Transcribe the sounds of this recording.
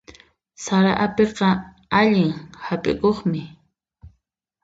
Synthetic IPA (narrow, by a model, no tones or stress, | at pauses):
saɾaʔapeqɑ | aʎɪŋhapʼɪ̰koχmɪ